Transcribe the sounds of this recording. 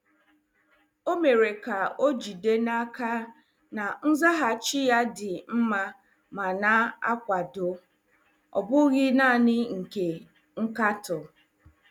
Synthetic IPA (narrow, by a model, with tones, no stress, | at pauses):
o˦me˨ɾe˨ka˨o˦d͡ʒi˨de˦na˦ka˦ | na˨n̩˦za˦ɦa˨t͡ʃɪ˦ja˦dɪ˨m̩˦ma˦ | ma˨na˦a˦kʷa˨do˨ | ɔ̰˨bʊ˦ɣɪ˦na˦˨nɪ˦ŋ̩˨ke˨ | ŋ̩˦ka˦tɔ˨